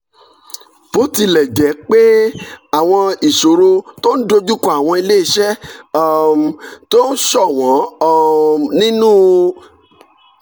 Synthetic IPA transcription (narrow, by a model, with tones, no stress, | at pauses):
b̥o˦ti˧lɛ˨d͡ʒɛ˨˦k͡pe˦a˦˨w̃ɔ̃˧i˨so˨ɾo˧to˦n̩˦do˦d͡ʒu˦kɔ˦a˦˨w̃ɔ̃˧i˧le˦i˧ʃɛ˦ | m˨to˦n̩˦ʃɔ˦˨w̃ɔ̃˨˦˧ | nĩ˦nũː˦